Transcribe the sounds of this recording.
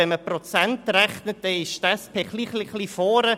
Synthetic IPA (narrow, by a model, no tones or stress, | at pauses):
ɛnməprɔt͡sɛntrɛχnət̚d̥ɛɪʃtaspʰeχliχliχlifɔːɾə